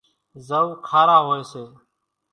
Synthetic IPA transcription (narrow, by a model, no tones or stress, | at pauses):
zəuːkʰaːɾaːɦoːeːseː